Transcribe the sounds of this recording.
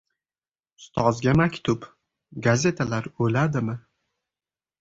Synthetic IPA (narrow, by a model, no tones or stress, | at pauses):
ʊ̥st̪ʰɒzɡʲamakʲt̪ʰʊp | ɡaze̞t̪ʰalaɾɵlad̪ɪmɪ